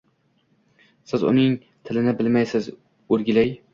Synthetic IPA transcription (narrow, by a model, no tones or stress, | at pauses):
sɪzʊ̰nɪŋ | t̪ʰɪlɪnɪbɪlmajsɪz | ɵɾɡʲɪlaj